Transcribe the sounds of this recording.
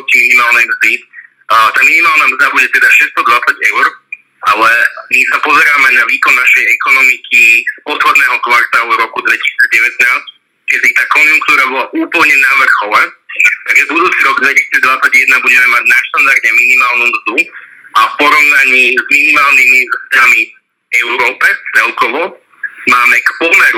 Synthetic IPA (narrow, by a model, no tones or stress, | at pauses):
ɔtiminimaːlnɛjmzd̪i | t̪aːminimaːlˠnamzd̪abuɟɛt̪ɛd̪aʃɛst̪ɔd̪ʋat͡saɟɛʊɾ | ʔa̰lɛmisapɔzɛɾaːmɛɛanaʋiːkɔnːaʃɛjɛkɔnɔmikʰispɔt̪xɔd̪nɛːɦɔkʋaɾt̪aːluɾɔkud̪ʋɛci̥siːdd͡zɟɛʋɛt̪naːsc | kɛb̪it̪aːkɔnjuŋkt̪uːɾabɔlaʔuːpl̩ɲɛnaʋr̩xɔʋat̪aɡʒɛbud̪uːt͡siɾɔɡd̪ʋɛci̥siːd͡zd̪ʋat͡saɟjɛd̪nabuɟɛmɛmaɟnaʃt̪and̪aɾɟɛminimaːlˠnumzd̪u | afpɔɾɔʋnaɲiːzminimaːlnimizzd̪ami | ɛʊɾɔːpɛft͡sɛlkɔʋɔ | maːmɛkpɔmɛɾu